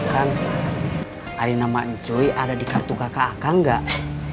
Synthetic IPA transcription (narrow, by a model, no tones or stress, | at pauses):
kaŋ | aɾinamaɲd͡ʒɔiʔadadikart̪ukakaːkaŋɡaʔ